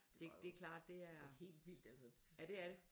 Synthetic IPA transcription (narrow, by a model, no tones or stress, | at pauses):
e̝d̥e̝kʰlɑ̰̈ːd̥ːe̝æɐhe̝̰ːld̥ʋild̥ælsə | jæd̥e̝æɐɾ̥e